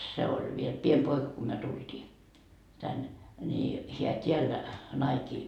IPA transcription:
se olʲ ʋiel piem poikɑ ko myø tultiː tænːe ni heæ tʲiæl nɑikiː

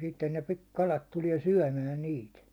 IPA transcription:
sitːen ne pi kɑlɑt tuliɛ syæ̹mæ niːt

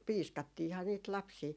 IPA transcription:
piːskɑtːihɑ niːt lɑpsiː

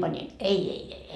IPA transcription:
pɑnʲin ei ei ei ei

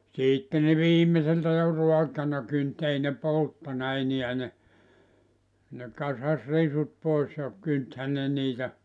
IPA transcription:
siːtːe ne ʋiːmˑeseltæ jo ruɑkɑnɑ kynt ei ne poltːɑnɑ eniæ ne ne kɑsɑs risut pois jɑ kynthæ ne niːtæ

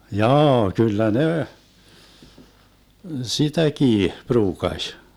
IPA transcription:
jɑː kylːæ ne sitækiː pruːkɑsʲ

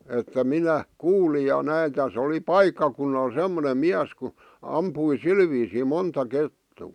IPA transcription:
etːæ minæ kuːlij jɑ næi tæs oli pɑikːɑkunːɑl semˑonem miæs ku ɑmpui sil ʋiːsiˑ montɑ ketːuː

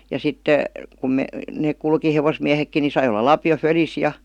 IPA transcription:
jɑ sitːe kum neːk kulki heʋosmiæhekːi ni sɑi olˑɑ lɑpio følis jɑ

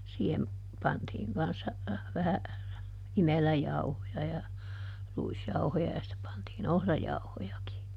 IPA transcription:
siːhem pɑntiːŋ kɑnsːɑ ʋæhæ imelæjɑuhojɑ jɑ ruisjɑuhojɑ jɑ sĭtːe pɑntiːn ohrɑjɑuhojɑki

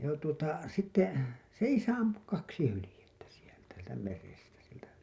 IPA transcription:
jɑ tuotɑ sitːe se isæ ɑmpu kɑksi hylĭjetːæ sieltæ sieltæ merestæ sieltæ

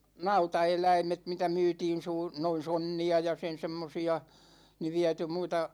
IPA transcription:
nɑutɑelæimet mitæ myːtiːn suː noin̞ sonːiɑ jɑ sen semːosiɑ ni ʋiæty muitɑ

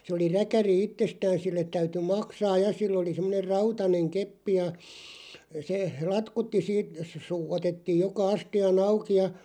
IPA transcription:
se oli rækæri itːestæːn silːet tæyty mɑksɑːj jɑ silː oli semˑŏner rɑutɑneŋ kepːi jɑ se lɑtkutːi siːt suː otetːiːj̆ jokɑ ɑstiɑn ɑuki jɑ

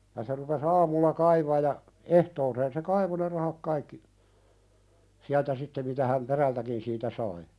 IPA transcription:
jɑ se rupes ɑːmulːɑ kɑiʋɑːj̆ jɑ ehtoːseːn se kɑiʋo ne rɑhɑk kɑikːi siæltæ sitːe mitæ hæm peræltækin siːtæ sɑi

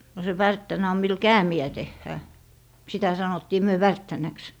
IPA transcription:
no se ʋærtːænæ om mil kæːmiæ tehːæː sitæ sɑnotːiː myø ʋærtːænæks

